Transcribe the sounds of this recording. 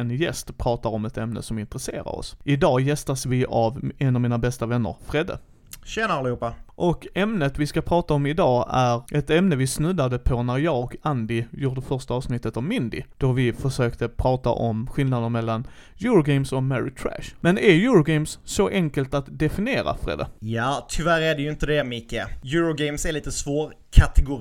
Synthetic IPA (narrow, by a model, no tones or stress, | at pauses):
ɛnjɛst̪pʰɾɑːt̪aɾɔmɛt̪ɛmnə̰sɔmɪnt̪ɾəsḛːɾa̰ɾɔ̰sʔɪd̪ɑːjɛst̪asvɪʔavɛnɑvmiːnabɛst̪avɛnːə̰ɾfɾeːd̪a̰ | ɕɛnalɪhuːpːaʔɔkɛmnət̪vɪskapʰɾɑːt̪aɔmɪd̪ɑːæɾʔɛt̪ɛmnəvɪsnʉd̪ad̪əpʰɔnæɾjɑːɡand̪ɪjuːɖəfœɾʂt̪aɑːvsnɪt̪ːət̪avmɪnd̪ɪ̰d̪̥ɔɾvɪfœʂøːkt̪əpʰɾɑːt̪a̰ʔɔmɧɪld̪ad̪ənmɛlːan | juːɾʊɡɛɪmsɔkmæɾɪ̰t̪ʰɾæ̰ʂmɛnæjuːɾʊɡɛɪmsːɔʔɛŋkəlt̪at̪d̪ɛfɪnɪeːɾa̰fɾḛːd̪a̰jɑːt̪ʰʏvæɾæɖɛjɵɪnt̪əd̪ɛmɪkːəjuːɾʊɡɛmsæɾɭiːt̪əsvoːɾkʰat̪ɛɡʊ